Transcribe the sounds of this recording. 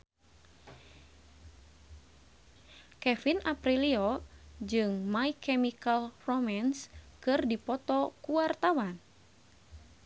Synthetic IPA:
kɛfinʔapɾiliɔd͡ʒɨŋmaikʰɛmikalromanskɨrdipɔt̪ɔkuwart̪awan

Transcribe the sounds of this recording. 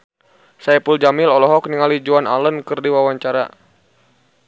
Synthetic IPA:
sajpuld͡ʒamilɔlɔɦɔk̚niŋalid͡ʒuana̰lənkɨrdiwawaɲt͡ʃaɾa̰

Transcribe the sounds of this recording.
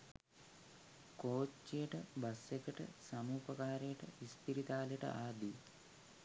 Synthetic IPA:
koːt͡ʃːijɐʈɐbɐsekɐʈɐ̰sɐmuːpɐkaːɾɐjɐʈə̰ʋispiɾit̪aːleʈɐ̰ʔaːd̪i

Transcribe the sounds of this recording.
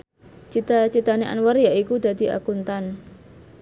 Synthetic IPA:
t͡ʃit̪at͡ʃit̪aneʔa̰nwərjaʔikud̪̥ä̤d̪̥i̤a̰kunt̪an

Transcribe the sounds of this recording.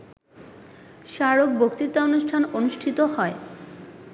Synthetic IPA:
ʃaɾokbokt̪it̪ːaonuʃʈʰanonuʃʈʰit̪oɦɔe

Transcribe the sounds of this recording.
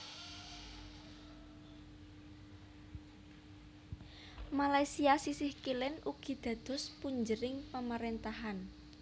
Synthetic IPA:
malajsiasisɪhkilɪnʔuɡ̥i̤d̪̥ä̤d̪̥ɔ̤spuɲd͡ʒəɾɪŋpamaɾent̪aɦan

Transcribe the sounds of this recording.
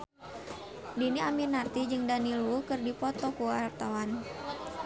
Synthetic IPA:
diniaminart̪id͡ʒɨŋdanilukɨrdipɔt̪ɔkuart̪awan

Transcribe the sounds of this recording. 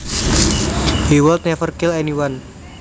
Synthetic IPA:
hiwəlt̪̚nɛfərkɪlaniwan

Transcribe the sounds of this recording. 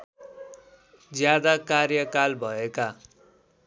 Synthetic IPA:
d͡zjad̪akarjʌkalbʱʌeka

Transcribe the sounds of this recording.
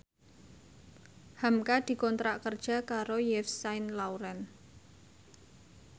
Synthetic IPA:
hamkad̪̥i̤kɔnt̪ɾaʔkərd̥ʒ̥a̤kaɾojɛfsaɪnlauɾɛn

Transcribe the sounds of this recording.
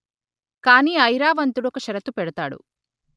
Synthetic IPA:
kaːniːɐjɾaːʋɐnt̪uɽɔkɐʃɐɾɐt̪ːupɛɽɐt̪aːɽṵ

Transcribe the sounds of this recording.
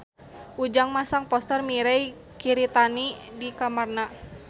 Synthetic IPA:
ʔud͡ʒaŋmasaŋpɔst̪ərmiɾɛj | kiɾit̪anidikamarna

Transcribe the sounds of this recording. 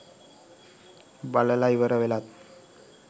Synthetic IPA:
baləlaiʋəɾəʋelat̪̚

